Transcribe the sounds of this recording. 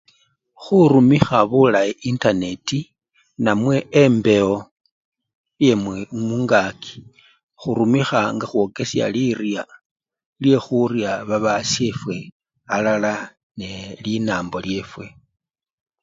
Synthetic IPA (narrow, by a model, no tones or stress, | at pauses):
xuɾumixaβulaiʔintane̞ti | namwe̞ːmbe̞o | je̞mmuŋɡakʰi̥ | xuɾumixaŋɡaxwo̞ke̞sja̰lirja | lje̞xuɾjaβaβasefwe̞ | alala | nelinaːmbo̞lje̞fwe̞